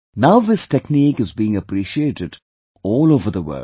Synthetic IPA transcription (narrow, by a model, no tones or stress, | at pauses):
naʊðɪsʈekniːkɪzbiːɪ̃ŋəpɾiːʃieːʈɪɖ | ɔːloːvəɾd̪əʋə̰ː